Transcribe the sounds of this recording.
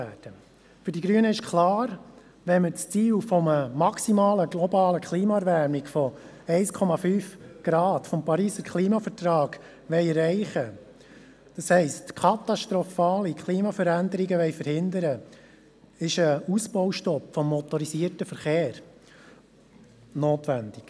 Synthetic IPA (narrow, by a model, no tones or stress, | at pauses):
æːd̥ə | fʏɾdiɡɾyənəɪʃkʰlɑːɾ | ʋɛnmət͡st͡siːlfɔməmɑksimɑːləɡlɔbɑːləkʰliːmɑɛɾvæːɾmɪɡfɔ | ɛɪskʰɔmɑfyːfɡ̥ɾɑːtfɔmpɑɾiːsəɾkʰliːmɑfəɾtɾɑːɡ̥ | ʋɛɪɛɾːɛɪχə | d̥ɑshɛɪstkʰɑt̪ɑʃtɾɔfɑːlikʰliːmɑfəɾænd̪əɾiɡəʋɛɪfəɾhɪnd̪əɾə | ɪʃəusbɔʊʃtɔpfɔmːɔt̪ɔɾisiːəɾtəfəɾχeːɾ | noːtʋænd̥ɪk